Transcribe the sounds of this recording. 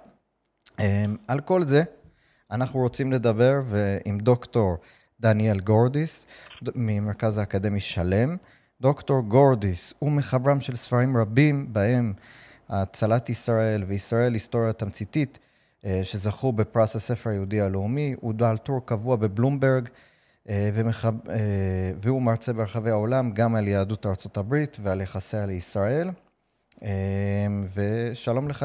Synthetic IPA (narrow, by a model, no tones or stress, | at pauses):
emalko̞lze̞ | anaχnuʁo̞t͡simle̞d̪abe̞ʁveimd̪o̞kto̞ʁ | d̪anie̞lɡo̞ʁd̪is | mimeʁkazaːkad̪e̞miʃale̞m | d̪o̞kto̞ʁɡo̞ʁdisume̞χabʁamʃe̞lsfaʁimʁabimbahe̞m | aːt͡salat̪isʁae̞lveisʁae̞listo̞ʁjat̪amt͡sit̪it | ʃe̞zaχube̞pʁasase̞feʁajeudialeumiudaltuʁkavuabe̞blumbe̞ʁɡ | veeveumaʁt͡sebeʁeχavejao̞lamɡamaljaadutaʁt͡so̞tabʁitvealjaχasealeisʁae̞l | emveʃalo̞mleχa